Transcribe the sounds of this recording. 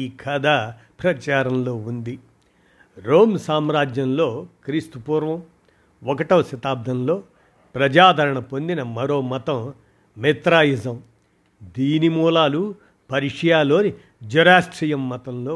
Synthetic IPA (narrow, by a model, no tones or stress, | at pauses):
ikʰɐd̪a | pɾɐt͡ʃaːɾɐmlo̞ːund̪i | ɾoːmsaːmɾaːd͡ʒjɐmloːkɾist̪upuːɾʋɐ̃m | ɔkɐʈɐʋsɐt̪aːb̚d̪ʱɐmlo̞ː | pɾɐd͡ʒaːd̪ʱɐɾɐɳɐpond̪inɐmɐɾo̞ːmɐt̪ɐm | met̪ɾaːjizɐm | d̪iːnimuːlaːlu | pɐɾiʂɐjaːloːni | d͡ʒuɾaːsʈɾijɐmːɐt̪ɐmloː